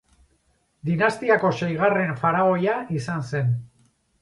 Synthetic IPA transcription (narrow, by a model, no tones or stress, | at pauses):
d̪inast̪iako̞sejɣ̞are̞ɱfaɾao̞jaʔisanse̞n